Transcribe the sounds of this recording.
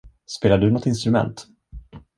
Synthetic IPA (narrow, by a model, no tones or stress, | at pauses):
speːlaɖɵnɔt̪ːɪnst̪ɾɵmɛ̰nt̪